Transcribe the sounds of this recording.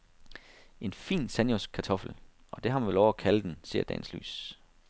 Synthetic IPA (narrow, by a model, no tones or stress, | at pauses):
ʔe̝nfḭːnsænjos̚kʰɑ̈t͡sʰɒ̽fl̩ | ʔɒ̽d̥e̝hɑ̈mænʋelɒʊækʰæləd̥ense̝̰ɐ̰d̥ɛ̰ːnsly̰ːs